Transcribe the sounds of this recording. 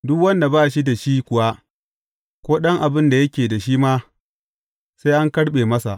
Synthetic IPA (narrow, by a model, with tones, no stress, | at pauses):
dʊ˦kwɐ˦nda˨baː˦˨ʃi˦da˨ʃiː˦kʷʊ˨wa˦ | kʷoː˦ɗɐ˦ŋʔa˨bɪ˦nda˨jɐ˦kʲeː˨da˨ʃiː˦ma˦ | sa˦jʔa˦ŋkɐ˦ɽɓeː˨mɐ˦sa̰˨ʔ